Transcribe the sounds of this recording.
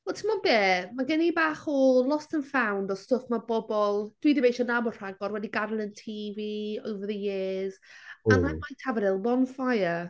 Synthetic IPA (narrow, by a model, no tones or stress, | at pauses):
ɔtʰəmɔnbeːmaɡɛnibaːχɔlˠɔstənfawndɔstʊfmabɔbɔlˠd̥wiðimbejʃɔnabɔr̥aɡɔɾwɛdiɡaɾənˠəntʰiviɔwvəðəjeːz̥anamajtʰavəɾɪlˠbɔnfajə